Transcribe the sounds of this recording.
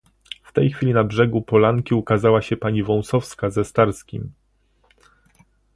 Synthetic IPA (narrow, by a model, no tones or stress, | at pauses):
ft̪ɛjxfʲilʲinabʐɛɡupɔlaŋkʲiukazawaɕɛpaɲivɔ̃w̃sɔfskazɛst̪aɾskʲḭm